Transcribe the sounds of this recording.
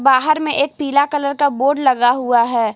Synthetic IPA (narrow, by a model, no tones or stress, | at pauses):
baːɦəɾmẽʔeːk̚piːlakələɾkaboːɖlɐɡaɦuaɦɛː